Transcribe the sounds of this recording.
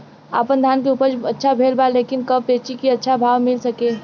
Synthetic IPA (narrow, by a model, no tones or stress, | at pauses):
a̰ːpənd̪ʱaːnkeuːpəɾd͡ʒɐtːʃʰabʱeːlbaleːkɪnkɐbpeːt͡ʃikiɐtːʃʰabʱaːʋmɪlsɐkeː